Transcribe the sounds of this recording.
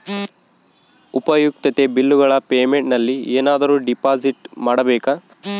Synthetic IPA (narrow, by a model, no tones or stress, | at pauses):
upɐjuk̚t̪ɐt̪ebilːuɡɐɭɐpeːmeɳʈnɐlːieːnaːd̪ɐɾuːɖipaːd͡ʒiʈmaːɽɐbɛːka